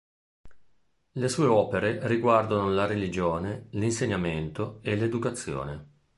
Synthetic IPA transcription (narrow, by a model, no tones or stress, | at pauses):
lesuːeɔːpeɾeriɡward̪anolaɾelid͡ʒoːnelinseɲːament̪oeled̪ukat̪sːjo̰ːne